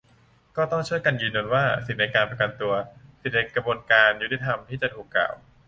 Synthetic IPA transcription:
kɔː˥˩t̪ɔ˥˩ŋt͡ɕʰu˥˩əjka˧njɯː˧nju˧nwaː˥˩si˨˩t̪̚na˧jkaː˧npɾa˧ka˧nt̪u˧ɐsi˨˩t̪̚na˧jkɾa˧bu˧ənkaː˧nju˦˥t̪i˧t̪ʰa˧mt̪ʰiː˥˩t͡ɕa˨˩t̪ʰuː˨˩kːa̰ː˨˩w

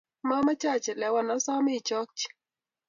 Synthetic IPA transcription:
ma˦ma˦t͡ʃa˦˨t͡ʃɛ˨lɛ˨˦wa˨nɔ˦sɔ˦mi˦˨t͡ʃɔ˦k̚t͡ʃ

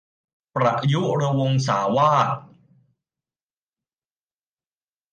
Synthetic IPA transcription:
pɾa˨˩ʔju˦˥ɾa˧wo˧ŋsaː˩˦waː˥˩t̪̚

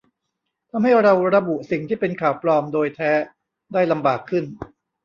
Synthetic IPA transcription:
t̪ʰa˧mɦha˥˩jɾa˧wɾa˧bu˨˩si˨˩ŋt̪ʰiː˥˩pe˧nkʰaː˨˩wplɔː˧mdoː˧jt̪ʰɛː˦˥ | daː˥˩jla˧mbaː˨˩kʰːɯ˥˩n

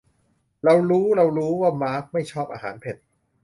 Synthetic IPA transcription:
ɾa˧wɾuː˦˥ɾa˧wɾuː˦˥waː˥˩maː˦˥k̚ma˥˩jt͡ɕʰɔː˥˩p̚ʔa̰ː˧ɦaː˩˦npʰe˨˩t̪̚

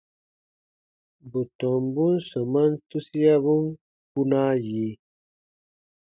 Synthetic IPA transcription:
bu˨t̪ɔ˨mbu˦nsə˨ma˦nt̪u˦si˦ja˦βu˦n | ku˦na˦ji˨˦

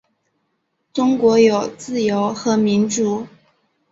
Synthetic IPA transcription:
ʈ͡ʂʊ˥ŋkwɔ˧˥jo˨˩ʊt͡sɹ̩˥˩jo˧˥ʊxɤ˧˥mi˧˥nʈ͡ʂu˧˩

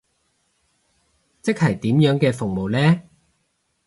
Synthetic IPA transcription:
t͡sɪ˥k̚hɐ˨˩jt̪iː˨˥mjœː˨˥ŋkɛː˧fʊ˨˩ŋmo˨wlɛː˥

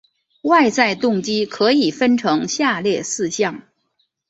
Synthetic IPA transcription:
wa˥˧ɪt͡sa˥˧ɪt̪ʊ˥˩ŋt͡ɕi˥kʰɤ˧˥i˨˩fə˥nʈ͡ʂʰɤ˧˥ŋɕja˥˧ljɛ˥˧sɹ̩˥˧ɕjɑ˥˩ŋ

